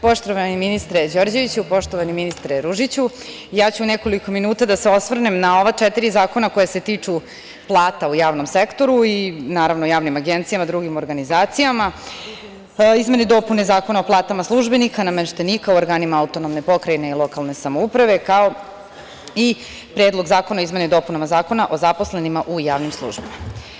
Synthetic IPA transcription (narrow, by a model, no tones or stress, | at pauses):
po̞ʃt̪oʋaniminist̪ɾed͡ʑo̞ːɾd͡ʑe̞ʋit͡ɕupo̞ʃt̪oʋaniminist̪ɾeɾuʒit͡ɕu | jaːt͡ɕuneko̞liko̞minuːt̪ad̪ase̞o̞sʋr̩nemnao̞ʋat͡ʂet̪iɾizaːko̞nako̞jase̞t̪iːt͡ʂu | plˠaːt̪aujaːʋno̞msekt̪o̞ɾuinaːɾaʋnoujaːʋnimaɡent̪sijamad̪ɾuɡimo̞ɾɡanizaːt̪sijama | izme̞ned̪o̞ːpunezaːko̞nao̞plˠaːt̪amaslˠuʒbenikanameʃt̪enikauoɾɡaːnimaaut̪onomne̞po̞kɾajne̞ilˠo̞kalˠne̞samoupɾaʋe̞kao̞ | i | pɾeːd̪lˠo̞ɡzaːko̞naizme̞ned̪o̞punamazaːko̞naʔo̞zapo̞sle̞nimaʔujaːʋnimslˠṵːʒbima